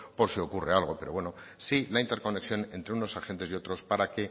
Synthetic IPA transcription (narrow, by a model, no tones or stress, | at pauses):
po̞ɾsio̞kure̞alɣ̞o̞pe̞ɾo̞βwe̞nosilaint̪eɾko̞ne̞ksjo̞nẽ̞nt̪ɾe̞uno̞saxe̞nt̪e̞sio̞t̪ɾo̞spaɾake̞